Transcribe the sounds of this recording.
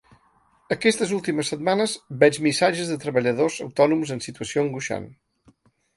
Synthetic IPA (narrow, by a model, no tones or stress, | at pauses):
əkɛst̪əzulˠt̪iməsːəd̪̚manəzbɛd͡ʒmisaʒəzðət̪ɾəβəʎəð̞ozəwt̪ɔnumzənsit̪uəsioəŋɡuʃa̰n